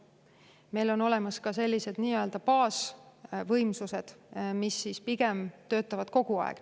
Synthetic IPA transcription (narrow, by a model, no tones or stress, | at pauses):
me̞jlo̞no̞le̞mɑskɑse̞lʲːise̞d̪̥niːøld̪̥ɑpɑːsvɤjmsuse̞d̪̥misːispiɡ̥e̞mt̪ø̞ːt̪ːˑɑvɑd̪̥̚ko̞ɡ̥uɑ̰ḛɡ̥